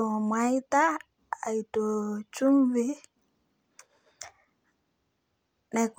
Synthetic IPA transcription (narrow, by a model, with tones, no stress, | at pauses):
ɔ˨mwa˨˦i˦t̪a˦ | a˨i˨tɔ˨t͡ʃu˦m˦vi˦ | nɛ˨k